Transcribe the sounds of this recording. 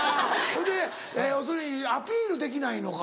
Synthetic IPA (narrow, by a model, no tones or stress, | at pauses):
ahõnd̪e | eos̬oiapʲiːɾɯ̟d̪e̞k̬ʲinaino̞ka